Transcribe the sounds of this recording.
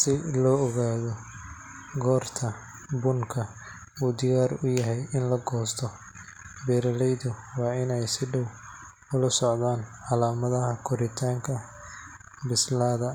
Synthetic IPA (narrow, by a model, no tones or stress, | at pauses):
sɪlɔːɔɣaːðɔ | ɡɔːrt̪ʰɐ | bʊŋkʰɐ | uːd̪ɪɣaːrʊjɐɦɛjʔɪnlɐɡɔːst̪ʰɔ | bɛːɾɐlɛjðʊwɑːɪnɛjsɪɖɔw | ʊlɐsɔʕðaːnʕɑlaːmɐðɐɦɐkʰʊɾɪt̪ʰaːŋkʰɐ | bɪslaːðɐ